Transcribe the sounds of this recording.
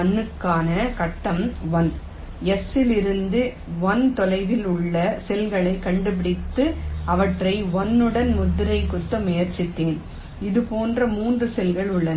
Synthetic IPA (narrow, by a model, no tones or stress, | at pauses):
ɐnːɯkːaːnɐkɐʈːɐmʋɐn | ɛsɪlɪɾɯnd̪ɯ | ʋɔnt̪ɔlɐɪʋɪlʊɭːɐsɛlɣɐɭɐɪkɐɳɖɯp̬ɪɽɪt̪ːɯʔɐʋɐʈrɐɪʋɔnːɯɽɐnmʊðːɯɾɐɪkʊt̪ːɐmːʊjɐɾt͡ʃːɪt̪ːeːn | ɪðɯpoːndrɐmuːndrɯsɛlɣɐɭʊɭːɐn